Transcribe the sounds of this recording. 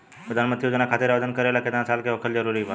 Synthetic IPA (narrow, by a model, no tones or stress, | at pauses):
pɾəd̪ʱanməd̪ʰijod͡ʑənakʰat̪iɾaʋd̪ʱənkəɾajlaket̪nat͡salkeʋəkʰəld͡ʑəɾuɾiːʋa